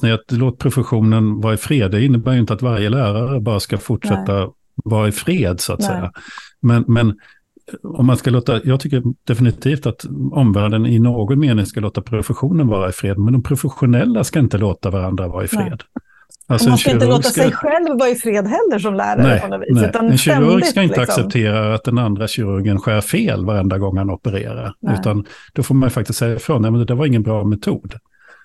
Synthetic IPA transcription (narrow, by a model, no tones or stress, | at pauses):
njaloːt̪̚pʰɾʊfəɧuːnənvɑːɾaɪfɾeːd̪ɪnːəbæːɾjʏɪnt̪əat̪vaɾjəlæːɾaɾəbɑːɾaskafʊʈʂɛt̪ːa | vɑːɾaɪfɾeːd̪sʊa̰t̪sɛ̰jjːa̰mɛnmɛn | ɔ̰mːanskaloːt̪ajɑːɡ̚t̪ʰʏkːəɾd̪̥ɛfɪnɪt̪ʰiːft̪at̪ɔmvæːɖənɪnoːɡɔnmeːnɪŋskaloːt̪apʰɾʊfəɧuːnənvɑːɾaɪfɾeːd̪mɛnd̪ɔmpʰɾʊfəɧʊnɛlːaskaɪnt̪əloːt̪avaɾand̪ɾavɑːɾaɪfɾḛːd̪ | alsɔɛnɕɪɾəɵɾːɡɪskɛɧɛlvːɑɪfɾeːd̪ɦɛlːəʂɔmlæ̰ːɾanɛɪnɔvinɛɛnɕɛɾɵɾɡɪskaɪnəaksɛp̚t̪ʰeːɾaɾat̪̚d̪ɛnand̪ɾaɕɪɾɵɾɡənɧæːɾfeːlvaɾɛnd̪aɡɔŋːhanɔpəɾḛːɾa̰ɾʉ̟ːt̪and̪̥ɔfoːɾmanjʏfak̚t̪ɪst̪sɛjːaɪfɾoːnjmɛnəd̪æɾvaɾɪŋːənbɾɑːmɛt̪ʰuːd̪